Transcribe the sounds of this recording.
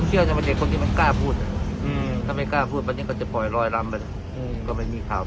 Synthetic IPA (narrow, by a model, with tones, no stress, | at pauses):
nt͡ɕʰi˥˩˨wt̪a˧˩ba˧de˨˩kʰːo˧nt̪ʰiː˥˧ma˧nkaː˥˩pʰuː˥˩t̪̚a˧˩˧t̪ʰa˧˩ma˥˩jkaː˥˩pʰuː˥˩t̪̚wa˧nːiː˦˥˩kɔː˥˩t͡ɕa˨˩pɔ˨˩jɾɔː˧jla˧mpna˧ | kɔː˥˩ma˥˩jmiː˧kʰaː˨˩˦w